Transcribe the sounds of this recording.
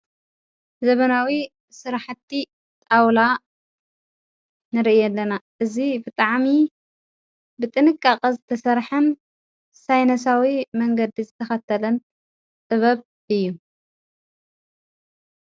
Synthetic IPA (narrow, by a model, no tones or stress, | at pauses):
zɐβɐnawi | sɨɾaħɨt̪ʰːi | t̪ʼawla | nɨɾiʔijɛlːɐnaʔɨzibɨt̪ʼaʕmi | bɨt̪ʼɨnɨkʼːakʼɐzɨt̪ʰɐsɐɾħɨn | sajnɐs̬awimɐŋɡɐd̪izɨt̪ʰɐxɐt̪ʰːɐlɐn | t̪ʼɨβɐβ | ɨjːu